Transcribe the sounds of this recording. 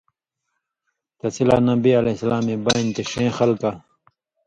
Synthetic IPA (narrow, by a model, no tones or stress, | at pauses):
t̪ɐsilaːnɐbiɐlesɐlaːmebɐĩnt̪eɕẽːxɐlka